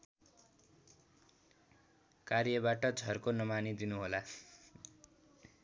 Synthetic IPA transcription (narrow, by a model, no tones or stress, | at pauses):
karjʌbaʈʌd͡zʱʌrkonʌmanid̪inuɦola